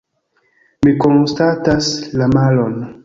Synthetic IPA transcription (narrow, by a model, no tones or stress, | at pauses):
mikonstataslamalon